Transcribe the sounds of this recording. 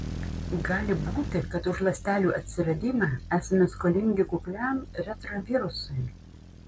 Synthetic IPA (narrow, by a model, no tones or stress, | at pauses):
ɡɑːlʲɪbuːt̪ʲɪkɐt̪ʊʃlˠɐsʲt̪ʲæːlʲuːʔɐt̪ʲsʲɪɾɐd̪ʲiːmɑːæːsʲɐmʲɛskolʲɪŋʲɡʲɪkʊklʲæmɾʲɛt̪ɾɐʋʲiːɾʊsɐɪ